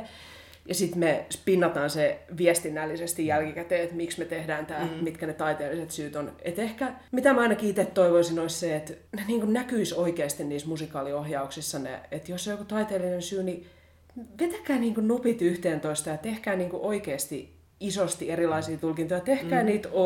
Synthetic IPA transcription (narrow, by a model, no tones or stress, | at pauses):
jɑsit̪mespinːɑt̪ɑːnseʋiɛst̪inːælːisest̪ijjælkikæt̪eːet̪miksmet̪ehdæːnt̪æːlmit̪kænet̪ɑit̪eːlːiset̪syːt̪onet̪ehkæmit̪æmæɑinɑkiit̪et̪t̪ːoiʋoisinoisseet̪neniːŋkunnækyisoikeːst̪inniːsmusikɑːliohjɑuksisːɑnḛet̪josːeojokut̪ɑit̪eːlːinensyːni | ʋet̪ekæːniːŋkunnupit̪yht̪eːnt̪oist̪ɑjɑt̪ehkæːniːŋkuʔoikeːst̪i | isost̪ierilɑisiːt̪ulkint̪ojɑt̪ehkæːniːt̪o